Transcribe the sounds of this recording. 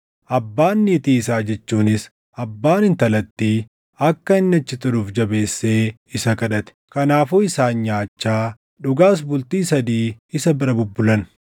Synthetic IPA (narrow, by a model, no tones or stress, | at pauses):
ʔɐbːaːnːɪːt̪iːɪsaːd͡ʒɛt͡ʃːuːnɪs | ɐbːaːnɪnt̪ɐlɐt̪ːiː | ɐkːɐɪnːɐt͡ʃːɪt̪ɐɾuːfd͡ʒɐbe̞ːsːeː | ɪsɐkɐᶑɐt̪ɛ̥kɐnaːfuɪsaːɲɲaːt͡ʃːaː | ᶑʊɡaːs̬bʊlt̪iːsɐd̪iːɪsɐbɪɾɐbʊbːʊlɐn